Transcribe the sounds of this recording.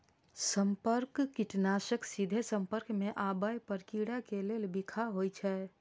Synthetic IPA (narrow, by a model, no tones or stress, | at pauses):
səmpəɾkkːiʈnasəksid̪ʱesəmpəɾkmeʔabəjpəɾkiɽakelelbikʰaɦojt͡ʃʰɛ